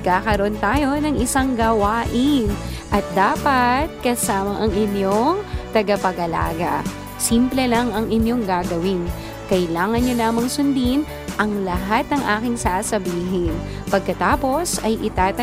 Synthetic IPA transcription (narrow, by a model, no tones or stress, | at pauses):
kaːkɐɾoʔont̪aːjo̞nɐŋɪsaŋɡɐwaːʔɪnʔɐt̪̚d̪aːpɐt̪̚kɐsaːmɐʔɐŋʔɪnjoŋt̪ɐɡɐpɐɡɐla̰ːɡɐ̰ | simplɛlɐŋɐŋʔɪnjo̞ŋɡaːɡɐwɪn | kɐɪlaːŋɐnjolaːmɐŋsʊnd̪in | ʔɐŋlɐɦat̪̚nɐŋʔaːkɪŋsaːsɐbiːɦɪn | pɐɡ̚kɐt̪aːpo̞sɐjʔɪt̪aːt̪ɐ